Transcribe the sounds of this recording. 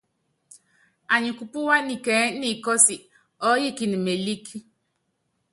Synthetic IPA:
a˨ɲi˨ku˨pu˦wa˦ni˨kɛ˨˦ni˦˨kɔ˦si˨ | ɔ˦ji˦˨ki˨ni˨me˨li˦ki˦

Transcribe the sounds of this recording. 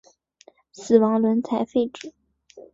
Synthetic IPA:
sɹ̩˨˩wɑ˧˥ŋlwə˧˥nt͡sʰa˧˥ɪfe˥˧ɪʈ͡ʂɻ̩˨˩˦

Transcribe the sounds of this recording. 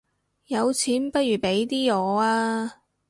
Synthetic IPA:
jɐ˨˧wt͡sʰiː˨˥npɐ˥t̚jyː˨˩pe˨˥jt̪iː˥ɔː˨˧aː˧

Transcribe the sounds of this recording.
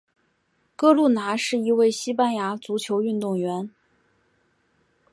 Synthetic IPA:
kɤ˥lu˥˩na˧˥ʂɻ̩˥˩i˧˥we˥˩ɪɕi˥pa˥nja˧˥t͡su˧˥t͡ɕʰjo˧˥ʊy˥˧nt̪ʊ˥˩ŋɥɛ˧˥n

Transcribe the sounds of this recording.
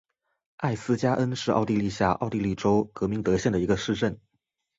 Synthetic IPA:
a˥˩ɪsɹ̩˥t͡ɕja˥ʔə˥nʂɻ̩˥˧ʔɑ̰˥˧ʊt̪i˥˧li˥˧ɕja̰˥˧ʔɑ̰˥˧ʊt̪i˥˧li˥˩ʈ͡ʂo˥ʊkɤ˧˥mi˧˥ŋt̪ɤ˧˥ɕjɛ˥˩nd̪ə˩i˧˥ɡə˧ʂɻ̩˥˧ʈ͡ʂə˥˩n

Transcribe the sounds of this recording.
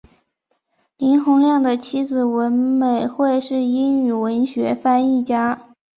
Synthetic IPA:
li˧˥nxʊ˧˥ŋljɑ˥˩ŋd̪ə˩t͡ɕʰi˥d͡zɹ̩˨˩wə˧˥nme˨˩ɪxwe˥˧ɪʂɻ̩˥˩i˥ny˨˩wə˧˥nɕɥɛ˧˥fa˥ni˥˩t͡ɕja˥

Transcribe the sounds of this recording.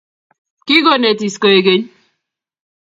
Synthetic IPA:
ki˦ɡo˦ne˨ti˨sko˨e˨ɡe˦ɲ

